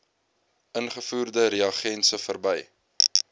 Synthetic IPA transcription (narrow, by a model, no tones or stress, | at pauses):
ənχəfuːrdəɾiɐχɛnsəfərbɛj